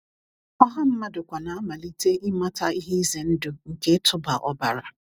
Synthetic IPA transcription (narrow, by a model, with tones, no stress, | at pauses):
ɔ˦ɦa˦m̩˦ma˦dʊ˨kʷa˨na˨a˦ma˨li˦te˦ʔi˦ma˦ta˦i˦ɦe˦i˦ze˨n̩˦dʊ˨ŋ̩˨ke˦tʰʊ˦ba˨ʔɔ˦ba˨ɾa˨